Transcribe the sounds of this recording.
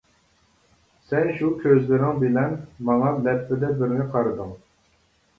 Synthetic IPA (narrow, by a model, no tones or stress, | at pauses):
sɛnʃukʲʰøzlɪɾɪŋbɪlɛnmɑŋɑlɛpːɪd̪ɛbɪɾnɪqʰɑɾɨd̪ɨŋ